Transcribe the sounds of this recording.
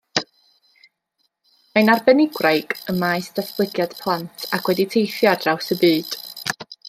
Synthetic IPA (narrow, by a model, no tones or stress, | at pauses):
majnarbɛnɪɡrajɡəmajstaθb̥lˠəɡjad̥pʰlˠantʰakʰwɛditʰejθjadrawsəbɨːd̥